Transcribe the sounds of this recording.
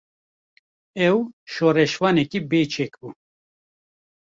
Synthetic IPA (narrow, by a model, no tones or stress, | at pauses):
ɛwʃoːrɛʃwɑːnɛkibeːt͡ʃʰekbu